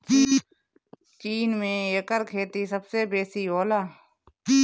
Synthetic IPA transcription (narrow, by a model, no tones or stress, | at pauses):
t͡ʃiːnmẽjɐkəɾkʰeːt̪isəbsebeːsioːlaː